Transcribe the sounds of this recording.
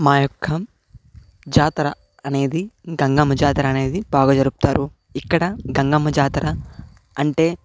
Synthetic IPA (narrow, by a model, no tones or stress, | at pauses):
maːjɔkʰːɐ | d͡ʒaːt̪ɾɐː | ne̞ːd̪iɡɐŋɡɐmɐd͡ʒaːt̪ɾɐːne̞ːd̪ibaːɡɐd͡ʒɐɾuku̥t̪aːɾu | ikːɐɽɐɡɐŋɡɐmɐd͡ʒaːt̪ɾɐː | ɳʈe̞ː